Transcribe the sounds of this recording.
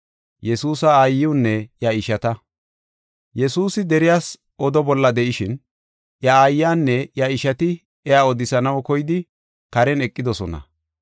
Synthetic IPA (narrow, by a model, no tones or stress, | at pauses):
jɛsuːsɐaːjːɪʊnːɛjɐɪʃɐt̪ɐ | jɛsuːsɪd̪ɛɾɪjaːs | ʔɔd̪ɔbɔlːɐd̪ɛʔɪʃɪn | ʔjɐajːaːnːɛjɐɪʃɐt̪ɪ | ɛaːɔd̪ɪsɐnɐwkɔjɪd̪ɪ | kɐɾɛnɛkʼːɪd̪ɔsɔnɐ̰